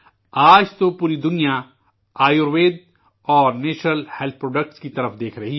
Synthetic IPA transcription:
aːd͡ʒt̪opuːɾid̪ʊnija | aːjoɾʋeːd̪̚ | ɔːɾneːʃnəlhɛːlt̪̚ʰpɾoːɖək̚ʈskit̪ɐɾəfd̪eːkʰɾɐɦi

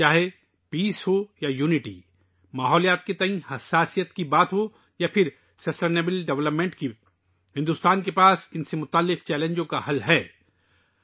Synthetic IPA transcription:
t͡ʃaːɦe | piːsɦojajuːnɪʈḭː | maːɦɔːlijaːt̪̚ket̪ɐĩhɐsːaːsijət̪kibaːt̪ɦo | japʰɪɾ | sɐsʈeːnebɪlɖɛʋləpmẽːɳʈki | hɪ̃nd̪uːst̪aːnkepaːsɪnsemʊt̪aːlːɪqt͡ʃɛːlẽːɲd͡ʒõkahɐlɦɛː

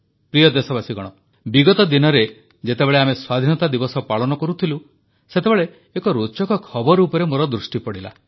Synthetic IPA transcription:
pɾijɔd̪esɔbasiɡɔɽ̃ɔ | biɡɔt̪ɔd̪inɔɾe | d͡ʒet̪ebeɭeameswad̪ʱinɔt̪ad̪ibɔsɔpaɭɔnɔkɔɾut̪ʰilu | set̪ebeɭeː | kɔɾot͡ʃɔkɔkʰɔbɔɾːpɔɾemoɾɔd̪ɾusʈipɔɽila̰

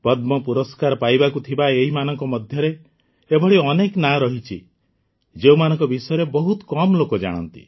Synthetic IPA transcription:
pɔd̪mɔpuɾɔskaɾɔpajbakut̪ʰibaeɦimanɔŋkɔmɔd̪ʱjɔɾeː | bʱɔɽiɔneknaɾɔɦit͡ʃʰḭ | d͡ʒeumanɔŋkɔbisɔjɔɾebɔɦut̪kɔmlokɔd͡ʒa̰ɽ̃ɔ̰nt̪ḭ

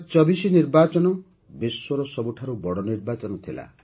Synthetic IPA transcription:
t͡ʃɔbisiniɾbat͡ʃɔnɔ | biswɔɾɔsɔbuʈʰaɾubɔɽɔniɾbat͡ʃɔnɔt̪ʰila̰

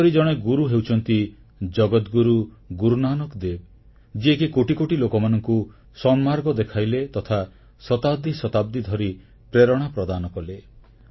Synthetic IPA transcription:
ɔɾid͡ʒɔɽ̃eɡuɾuɦewt͡ʃʰɔnt̪i | d͡ʒɔɡɔt̪ɡuɾu | ɡuɾunanɔkd̪eb̚ | d͡ʒiekikoʈikoʈilokɔmanɔŋku | sɔmːaɾɡɔd̪ekʰajlet̪ɔt̪ʰa | sɔt̪ab̚d̪isɔt̪ab̚d̪ʱid̪ʱɔɾi | pɾeɾɔɽ̃apɾɔd̪anɔkɔle

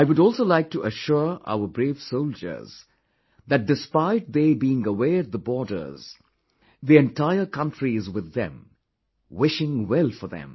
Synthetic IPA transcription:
aɪwʊɾɔlˠsolaɪk̚tʰuʔəʃʊɹa̰ʊə˞bɾeːvsoʊld͡ʒə̰˞z̥ | ðæt̚ɖɨspaɪd̚ðeːbiɪ̃ŋəwɛːɨt̪̚ðəbɔɹdə̰˞z̥ | ðiɛ̃ntʰaɪəkʰʌ̃ntʰɹizwɪðɛ̰̃m | wɪʃɪ̃ŋwɛlˠfə˞ðɛ̰̃m

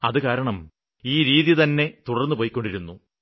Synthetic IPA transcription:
ɐðɨkaːɾɐɳɐm | iːɾiːðjɐt̪ɐnːe̞t̪uɽɐrnːupo̞ːjikʲːo̞ɳɖiɾunːu

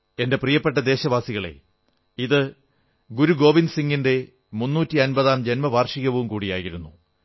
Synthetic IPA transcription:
e̞nde̞prijɐpːe̞ʈ̬ːɐd̪e̞ːɕɐʋaːsiɣɐɭe̞̰ | iðɨ | ɡuɾuɡo̞ːʋinsiŋɡinde̞ | munːuːtːiɐnbɐðaːmd͡ʑe̞nmɐʋaːrʂiɣɐʋumkuːɽija̰ːjiɾunːu

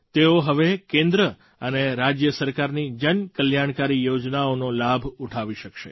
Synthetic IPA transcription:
t̪eoɦəʋekẽnd̪ɾə | əneɾad͡ʒjəsəɾkaɾnid͡ʒənkəljaɽ̃kaɾijod͡ʒnaonolabʱuʈʰaʋiʃəkʃḛ

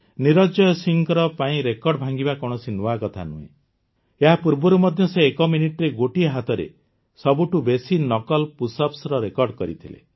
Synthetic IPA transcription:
niɾɔd͡ʒɔjɔsiŋkɔɾɔpaĩɾekɔɾɖɔbʱaŋɡibakɔɽ̃ɔsinuakɔt̪ʰa̰nṵɦḛ̃ | eɦapuɾbɔɾumɔd̪ʱjɔseːkɔminiʈɔɾeɡoʈiɦat̪ɔɾḛ | sɔbuʈubesinɔkɔlpusɔpsɾɔɾekɔɾɖkɔɾḭt̪ʰilḛ

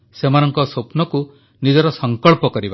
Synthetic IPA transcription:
semanɔŋkɔsopnɔku | nid͡ʒɔɾɔsɔŋkɔɭpɔkɔɾiba

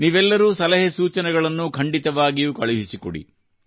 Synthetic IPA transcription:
niʋɛlːɐɾuːsɐlɐɦesuːt͡ʃɐnɛɡɐɭɐnːukʰɐɳɖit̪ɐʋaːɡijuːkɐɭuɦisikɔɽḭ

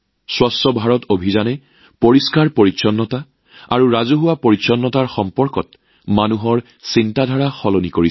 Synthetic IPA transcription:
swastɔbʱaɹɔtobʱizanɛ | poɹiskaɹpoɹitsɔnːɔta | a̰ɹuɹazuɦʊwapoɹitsɔnːɔtaɹxɔmpɔɹkɔt̚ | manuɦɔɹ | sintadʱaɹaxɔlonikoɹi

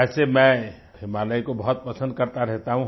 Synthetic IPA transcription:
ɛsemɛ̃ | ɦimaleikobəɦt̪̚pəsə̃nd̪̚kəɾt̪aɾɛɦt̪aɦũ

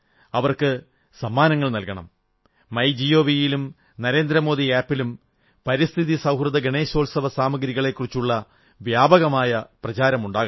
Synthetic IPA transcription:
ɐʋɐrkɨ | sɐmːaːnɐŋːɐɭnɐlkɐɳɐ̰mː | ɐjd͡ʑijo̞ːʋijilum | nɐɾe̞ːnd̪ɾɐmo̞ːðiaːpːilum | pɐɾist̪ʰiðisɐwɦrɨd̪ɐɡeɳe̞ːɕo̞ːlsɐʋɐsaːmɐɡɾiɣɐɭe̞kːurit͡ɕːuɭːɐ | ʋjaːbɐɣɐmaːjɐprɐt͡ɕaːɾɐmuɳɖaːɣɐ

